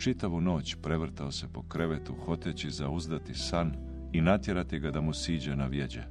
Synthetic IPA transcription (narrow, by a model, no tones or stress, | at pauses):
t͡ʃit̪aʋuno̞ːt͡ɕpɾe̞ʋr̩t̪ao̞se̞po̞kɾeʋet̪uxo̞t̪et͡ɕizauzd̪at̪isan | inat̪je̞ɾat̪iɡad̪amusiːd͡ʑenaʋje̞d͡ʑḛ